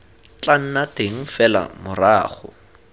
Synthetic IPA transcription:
t͡ɬan̩nateŋ̩fɛla̰mʊraːχʊ̰

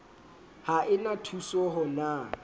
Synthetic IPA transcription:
haʔɪnatʰusɔɦɔna

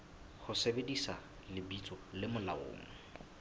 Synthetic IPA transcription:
χʊsebedisa | lɪbit͡sʼɔlɪmʊla̰ʊ̰ːmʊ | ʊ

